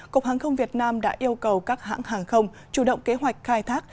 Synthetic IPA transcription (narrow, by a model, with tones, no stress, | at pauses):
kku˨˩k͡p̚haː˨˩ŋxə˧wŋ͡mvi˨˩ət̚naː˧mɗa̰ː˧˥ʔi˧əwkə˨˩wkaː˦˥k̚ɦa̰ː˧˥ŋɦaː˨˩ŋxə˧wŋ͡m | t͡ɕu˧˩ɗə̰˧˨wŋ͡mke˨˦ɦwa˨˩jk̟̚xaː˧jt̪ʰaː˦˥k̚